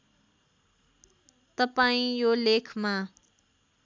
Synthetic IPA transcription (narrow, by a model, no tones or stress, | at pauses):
t̪ʌpaĩjolekʰma